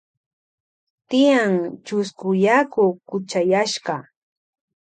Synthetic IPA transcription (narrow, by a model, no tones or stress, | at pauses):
t̪ɪjaŋt͡ʃʊskʊjakʊkʊt͡ʃajaʃɢɑ